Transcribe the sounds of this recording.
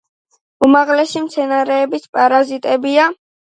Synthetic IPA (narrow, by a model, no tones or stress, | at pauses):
umaʁlɛsimt̪sʰɛnaɾɛːbispʼaɾazit̪ʼɛbia